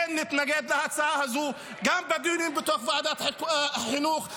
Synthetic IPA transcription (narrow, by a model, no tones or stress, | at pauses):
enːɪt̪naɡed̪lahat͡saahazuː | ɡambad̪uninbɪt̪oːxvaʕd̪at̪ħɪnuːx